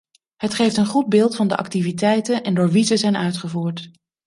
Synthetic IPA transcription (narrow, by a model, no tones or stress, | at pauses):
ɦətχejftənχud̚bɪːlˠtfɑndə̰ʔɑ̰ktivitɛjtənɛndʊːɹʋizəzɛjnʔœɥtχəvuːɹt